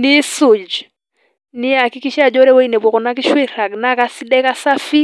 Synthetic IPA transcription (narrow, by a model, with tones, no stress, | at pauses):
ni˦sʊ˨d͡ʒ | nɪ˦a˨kɪ˦ki˦ʃa˨d͡ʒɔ˦ɾɛ˦wɔ˦i˦nɛ˨bwɔ˨kɔ˨na˦ki˦ʃwe˦ɾa˨ɡna˦ka˦si˦dɛ˦ka˦sa˦fi˦